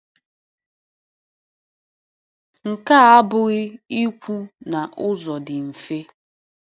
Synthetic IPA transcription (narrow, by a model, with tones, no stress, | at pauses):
ŋ̩˨ka˦˨a˦bʊ˨ɣɪ˦i˦kʷu˦na˨ʔʊ˦zɔ˨dɪ˨m̩˨fe˦